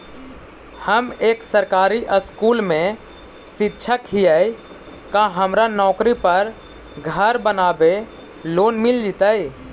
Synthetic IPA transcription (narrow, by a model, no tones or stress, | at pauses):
həmeːksəɾkaːɾiʔəskuːlmẽ | sɪtːʃʰəkɦijəi | kãɦəmɾanɔːkɾipəɾ | ɡʱəɾbənaːbe | loːnmɪld͡ʒit̪əi